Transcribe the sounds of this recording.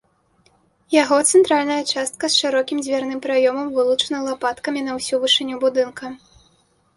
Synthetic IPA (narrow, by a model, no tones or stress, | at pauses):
jaɣɔt̪sɛnt̪ɾalʲnɐjɐt͡ʂast̪̚kɐsʂɨɾɔkʲimd͡zʲvʲarnɨmpɾajɔmɐmvɨlˠut͡ʂɐnɐlˠapat̪kɐmʲinɐwsʲuvɨʂɨnʲːubud̪ɨnkɐ